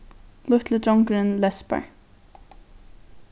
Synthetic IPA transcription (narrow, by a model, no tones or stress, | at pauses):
lʊht̪ʰləd̪ɹɔŋkɾɪnlɛspa̰ɹ